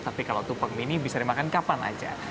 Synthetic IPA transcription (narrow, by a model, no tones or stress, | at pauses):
t̪apikalat̪upəŋinibisaɾimakankapana̰d͡ʒa̰